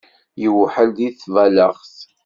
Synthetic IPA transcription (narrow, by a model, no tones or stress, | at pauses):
jəwħəld̪iθvæləʁθ